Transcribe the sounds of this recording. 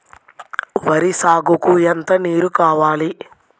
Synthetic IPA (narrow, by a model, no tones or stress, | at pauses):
ʋɐɾisaːɡukuɛnt̪ɐniːɾukaːʋaːli